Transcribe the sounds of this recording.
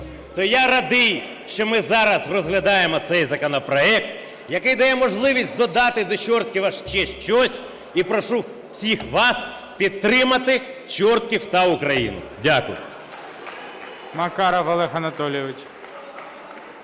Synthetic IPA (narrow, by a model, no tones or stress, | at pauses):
t̪ɔjaɾɐd̪ɪj | ʃt͡ʃɔmɪzɑɾɐsrɔzɦlʲɐd̪ɑjemɔt̪sɛjzɐkɔnɔpɾɔɛk̚t̪ | jɐkɪjd̪ɐjɛmɔʒlˠɪʋʲisʲt̚ʲd̪ɔd̪ɑt̪ɪd̪ɔt͡ʃɔrt̪̚kʲɪʋɐʃt͡ʃɛʃt͡ʃɔsʲ | ipɾɔʃu | wsʲixʋɑs | pʲid̪̚t̪ːɾɪmɐt̪ɪt͡ʃɔrt̪kʲiwt̪ɐʊkɾɐjḭnʊ̰dʲakʊ̰jʊ̰ | mɐkɑɾɐʋɔlˠɛɦɐnɐt̪ɔlʲjɔʋɪt͡ʃ